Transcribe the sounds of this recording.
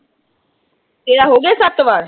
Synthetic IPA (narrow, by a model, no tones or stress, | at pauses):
eɭaɦoɡesap̚t̪əʋaɾ